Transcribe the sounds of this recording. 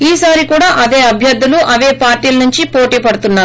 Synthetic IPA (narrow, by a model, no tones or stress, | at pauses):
iːsaːɾikuːɽaːʔɐd̪e̞ːɐbʱjɐɾd̪ʱːuluʔɐʋeːpaːɾʈiːlɐnuɲt͡ʃipo̞ːʈiːpɐɽut̪unːaːɾ